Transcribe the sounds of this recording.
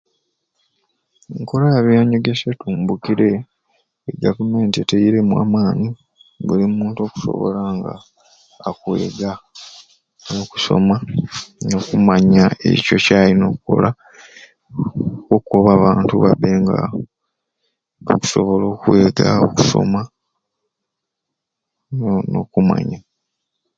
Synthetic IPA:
eŋko̞lajaβjaɲo̞ɡesetuːmbukiɾe̞ | eɡavume̞ːntieteiɾe̞mwa̰ːmaːni | bulimuːnto̞ːku̥so̞̰βo̞̰laŋɡa̰ː | kwe̞̰ːɡa | noku̥so̞̰mano̞kumaɲae̞̰co̞caːlino̞kuko̰la | kokukoβaːβaːntuβabeːŋɡa̰ | oku̥so̞βo̞lo̞ːkweːɡao̰ku̥so̰ma | no̰kuma̰ɲa

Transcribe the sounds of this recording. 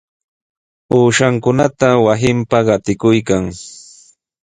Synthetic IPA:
uːʃaŋkʊnat̪awasɪmpaɢɑt̪ɪkʊjkaŋ

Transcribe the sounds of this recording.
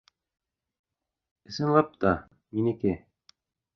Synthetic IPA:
ɘ̆sɘ̆nlˠɑp̚t̪ɑ | minikɘ

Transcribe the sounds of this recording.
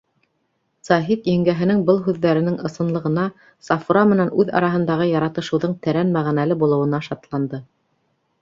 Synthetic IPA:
sɑɦit̪jæ̆ŋɡæɦɘ̆nɘŋbɤlˠɦʉðːæɾɘ̆nɘŋɤ̆sɤ̆nlˠɤ̆ʁɤ̆nɑ | sɑfuɾɑmɘ̆nænʉðɑ̰ɾɑɦɤ̆nd̪ɑʁɤjɑɾɑt̪ɤ̆ʃɤ̆wðɤɴt̪æɾænmæʁænælɘbulˠɤ̆wɤ̆nɑʃɑt̪lˠɑnd̪ɤ

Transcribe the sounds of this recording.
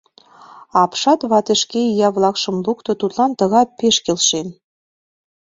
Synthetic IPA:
ɑpʃɑt̪βɑt̪eʃkeijɑβlˠɑkʃɤ̆mbukt̪ɤ̆t̪ut̪lˠɑnt̪ɤ̆ɣɑpeʃkelʃe

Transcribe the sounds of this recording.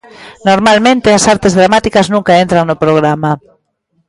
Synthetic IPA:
noɾmalmẽnt̪easaɾt̪ezðɾamat̪ikaznũŋkaent̪ɾaŋnopɾoɣ̞ɾama

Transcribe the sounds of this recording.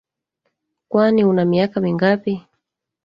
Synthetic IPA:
kwaniunamiakamiŋɡapi

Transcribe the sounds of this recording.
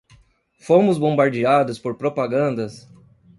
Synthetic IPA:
fõmʊzbõbaɾd͡ʒiad̪ʊspoɾpɾopaɡɐ̃nd̪ɐs

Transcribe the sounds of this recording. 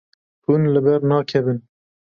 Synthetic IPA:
hunlɨbɛɾnɑːkʰɛbɨn

